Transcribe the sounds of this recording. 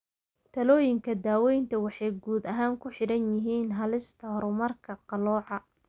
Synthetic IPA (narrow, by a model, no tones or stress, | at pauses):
t̪ʰɐlɔːjɪŋkʰɐd̪aːwɛjnt̪ʰɐwɑħɑjɡuːd̪ɐɦaːŋkʰʊħɪɽɐnjɪɦiːnɦɐlɪst̪ʰɐhɔɾʊmɐrkʰɐqɑlɔːʕɑ